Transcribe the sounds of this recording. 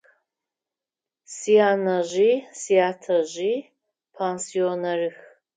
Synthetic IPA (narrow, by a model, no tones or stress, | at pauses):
sijanɐʑʷisijatʰɐʑi | pʰansionɐrɨx